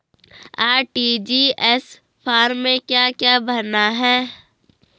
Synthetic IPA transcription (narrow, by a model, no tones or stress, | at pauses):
aːʈid͡ʒiɛs | pʰaːɾmẽkjakjabʱəɾnaɦɛː